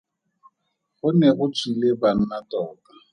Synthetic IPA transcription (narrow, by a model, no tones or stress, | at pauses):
ɣʊnɛɣʊt͡sʰileban̩natɔːka